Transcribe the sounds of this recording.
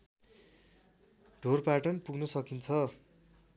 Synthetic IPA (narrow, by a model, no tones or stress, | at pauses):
ɖʱorpaʈʌnpuɡnʌsʌkint͡sʰʌ